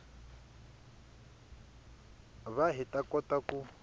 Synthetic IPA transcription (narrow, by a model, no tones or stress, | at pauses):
βaɦitʼakʼɔtʼaku